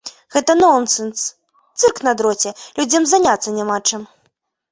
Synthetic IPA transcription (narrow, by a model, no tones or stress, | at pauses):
ɣɛt̪ɐnɔnsɨns | t̪sɨrknɐd̪ɾɔt͡sʲɛlʲud͡zʲɐmzanʲat̪sːɐnʲamat͡ʂɨm